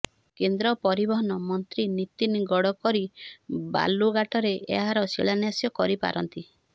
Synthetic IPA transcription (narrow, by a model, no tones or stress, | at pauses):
kend̪ɾɔpɔɾibɔɦɔnɔmɔnt̪ɾinit̪iniɡɔɽɔkɔɾiba̰luɡaʈɔɾeʔḛɦaɾɔsḭɭanjasjɔkɔɾipa̰ɾɔnt̪i